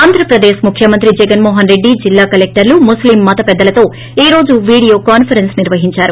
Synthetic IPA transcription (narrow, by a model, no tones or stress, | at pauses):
aːnd̪ʱɾɐpɾɐd̪eːʃmukʰjɐmɐnt̪ɾid͡ʒɛɡɐnmoːɦɐnɾe̞ɖːid͡ʒilːaːkɐlek̚ʈɐɾlumuslimːɐt̪ɐpɛd̪ːɐlɐt̪o̞ː | iːɾo̞ːd͡ʒuʋiːɽijo̞ːkaːnpʰɐɾensniɾʋɐɦiɲt͡ʃaːɾu